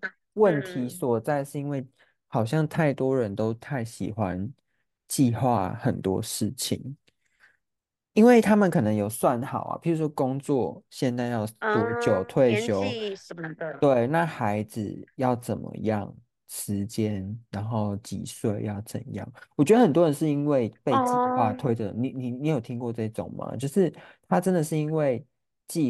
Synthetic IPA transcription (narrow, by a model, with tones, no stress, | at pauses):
wə˥˨nt̪ʰi˨˥swɔ˨˩t͡sa˥˧ɪʂ̩˥˧i˦˥nwe˥˧ɪ | hɑ˨˩ʊɕ̬jɑ˥˧ŋt̪ʰa˥˩ɪt̪wɔ˦ɻə˧˦nt̪o˥ʊt̪ʰa˥˩ɪɕḭ˨˩xwa˦n | t͡ɕi˥˧xwa̰˥˩xə˨˩nt̪wɔ̰˦ʂɻ̩˥˩t͡ɕʰḭ˨˩ŋ | i˥nwe˥˩ɪt̪ʰa˦mə˨nkʰɤ˨˩nə˧˦ŋjo˨˩ʊswa˥˩nxɑ˨˩˦ʊɐ̰˨pʰi˨˩ɻu˨˥ʂwɔ˥ko˥˦ŋt͡swɔ˥˨ɕjɛ˥˧nt͡sa˥˧ɪjɑ˥˧ʊtɔ˨˩t͡ɕjo˨˩ʊt̪ʰwe˥˨ɪɕjo˦˥ʊ | t̪we˥˩ɪna˥˨xa˧˥ɪd͡z̩˨˩jɑ˥˨˩ʊt͡sə˨˩nmə̰˧˦jɑ̰˥˨˩ŋ | ʂɻ̩˧˦t͡ɕjɛ˦nɻa˧˥nxo˥˩ʊt͡ɕḭ˨˩swe˥˩ɪjɑ˥˩ʊt͡sə̰˨˩njɑ̰˥˨˩ŋwɔ˨˩t͡ɕɥɛ˧˥d̪ə˧xə˨˩nt̪wɔ˥ɻə˧˦nʂɻ̩˥˩i˥nwe˥˧ɪpe˥˩ɪt͡ɕi˨˩xa˥˧t̪ʰwe˥ɪʈ͡ʂɤ̰˨˧˦ni˨˩ni˨˩ni˨˦jo˨˩ʊt̪ʰi˥ŋkwɔ˥˧ʈ͡ʂɤ˥˧i˥˩t͡so̰˨˩ŋmɐ̰˨t͡ɕjo˥˧ʊʂɻ̩˥˩t̪ʰa˥ʈ͡ʂə˦˥nd̪ə˨ʂɻ̩˥˩i˥nwe˥˧ɪ | t͡ɕi˥˧